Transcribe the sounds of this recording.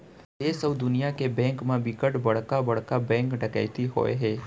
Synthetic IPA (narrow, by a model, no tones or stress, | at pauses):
esəʋd̪ʊnijakebɛ̃ŋkmãbikəʈbəɭkabəɭkabɛ̃ŋkɖəka̰jt̪iɦo̰jɦe